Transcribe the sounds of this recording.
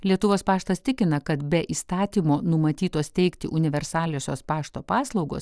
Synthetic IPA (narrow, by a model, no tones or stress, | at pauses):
lʲiɛt̪ʊʋoːspɑːʃt̪ɐst̪ʲɪkʲɪnɐkɐt̪bʲɛʔiːst̪ɑːt̪ʲiːmoːnʊmɐt̪ʲiːt̪oːst̪ʲɛɪkt̪ʲɪ̰ʔʊnʲɪʋʲɛɾsɑːlʲoːsʲoːspɑːʃt̪oːpɑːslˠɒʊɡo̰ːs